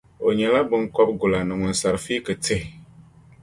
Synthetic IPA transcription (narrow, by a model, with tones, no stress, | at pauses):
o˨ɲɛ˨la˦bɨ˦ŋkɔ˦b̚ɡʊ˨la˨nɨ˨ŋʊ˨n˨sa˨ɾfi˦kɨ˨te˦˨